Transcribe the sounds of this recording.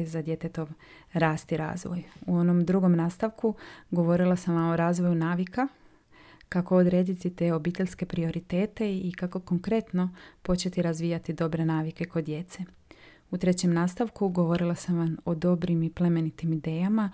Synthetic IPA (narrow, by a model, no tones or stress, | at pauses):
zad̪je̞t̪e̞t̪o̞ʋ | ɾaːst̪iɾa̰ːzʋo̰juo̞no̞md̪ɾuɡo̞mnaːst̪aʋkuɡo̞ʋo̞ɾilˠasamʋamo̞ɾaːzʋo̞junaːʋika | kakood̪ɾe̞ːd̪it̪it̪e̞o̞biːt̪e̞ʎʲske̞pɾio̞ɾit̪e̞ːt̪e̞ikako̞ko̞ŋkɾe̞t̪no̞po̞t͡ɕe̞t̪iɾazʋiːjat̪id̪o̞bɾe̞naːʋike̞ko̞d̪ːje̞t̪se̞ | ut̪ɾe̞t͡ɕe̞mnaːst̪aʋkuɡo̞ʋo̞ɾilˠasamʋamo̞d̪o̞bɾimiple̞me̞nit̪imid̪e̞ːjama